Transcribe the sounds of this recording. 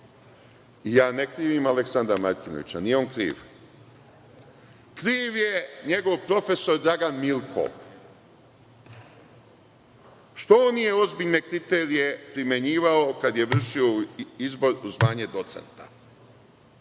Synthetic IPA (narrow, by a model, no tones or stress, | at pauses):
ijaːnekɾiːʋimaleksand̪ɾamaɾt̪ino̰ʋḭt͡ɕanijeomkɾḭːʋ | kɾiːʋje̞ɲe̞ɡo̞ʋpɾo̞fe̞so̞ɾd̪ɾaɡanmilkʰo̰ʋ | ʃt̪oonijeo̞zbiʎne̞kɾit̪eɾije̞pɾimje̞ɲiːʋaokad̪je̞ʋr̩ʃio̞izbo̞ɾuzʋaːɲe̞d̪o̞t̪se̞̰nt̪a̰